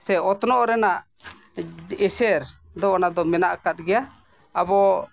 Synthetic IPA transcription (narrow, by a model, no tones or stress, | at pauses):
sɛɔt̪ɔnɔʔɔɾɛnaʔ | ɛsɛɾ | d̪ɔʔɔnad̪ɔmɛnaʔkat̪̚ɡɛja | abɔ